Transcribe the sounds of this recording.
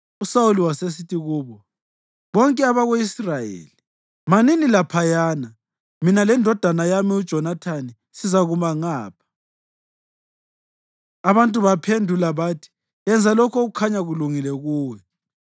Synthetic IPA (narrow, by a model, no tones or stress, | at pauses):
usauliwases̬itʰiɣuːβɔ | βɔŋkʼɛaβaɣeisrajḛːli | maninilapʰajaːna | minalɛndʱɔd̥ʱanajamiud̥ʒ̥ʱɔnatʰani | sizaɣumaŋaːpʰḁ | aβantʼuβapʰendʱulaβaːtʰi̥ | ɛnd͡zʱalɔkʰɔɣukʰaɲaɣuluŋilɛɣuːwɛ